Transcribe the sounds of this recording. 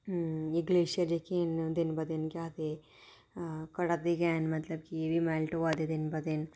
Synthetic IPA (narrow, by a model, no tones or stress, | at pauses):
ĩŋɡleːʃiɐd͡ʒekend̪enbɐd̪enkʲjaːt̪e | kɐɽɐd̪iɡaːnmɐt̪lɐb̚kieʋimaːlʈuʋaːd̪ed̪enbɐd̪en